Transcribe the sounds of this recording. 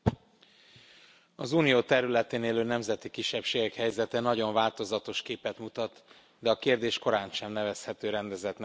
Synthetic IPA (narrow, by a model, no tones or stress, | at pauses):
ɒzuːnijoːt̪ɛɾylɛt̪eːneːløːnɛmzɛt̪ikiʃːɛpʃeːɡɛkhɛjzɛt̪ɛnɒɟo̞ɱvaːlt̪o̞zɒt̪o̞ʃkeːpɛt̪mut̪ɒt̪ | d̪ɛɒkeːrd̪eːʃko̞ɾaːnʃɛmnɛvɛshɛt̪øːɾɛnd̪ɛzɛt̪n